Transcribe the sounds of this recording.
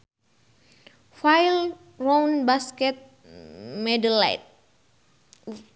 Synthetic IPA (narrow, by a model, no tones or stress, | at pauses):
fajl | ronbaskɛt̪̚ | mɛdəla̰t̪̚